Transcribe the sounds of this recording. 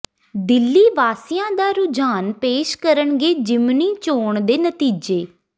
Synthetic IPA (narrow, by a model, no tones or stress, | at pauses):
d̪ɪlːiːʋaːsɪjãːd̪aːɾʊd͡ʒaːnpeːʃkəɾəɳɡeːd͡ʒɪmniːt͡ʃoːɳd̪eːnət̪iːd͡ʒeː